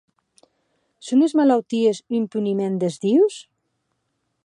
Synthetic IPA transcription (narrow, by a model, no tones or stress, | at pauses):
sonezmalawt̪iezimpynimend̪ezðiws